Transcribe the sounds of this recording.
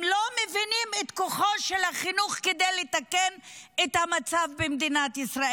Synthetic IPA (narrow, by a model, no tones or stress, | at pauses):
mlomevinimet̪koχo̞ʃelhaχinuχked̪ejlet̪akenet̪hamat͡savbemd̪inat̪isʁa